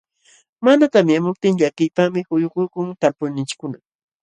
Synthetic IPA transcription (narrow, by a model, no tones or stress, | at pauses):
manat̪amɪamʊp̚t̪ɪŋʎakɪjpamɪhʊjʊkʊjkʊŋt̪alpʊnɪnt͡ʃɪ̥kʊna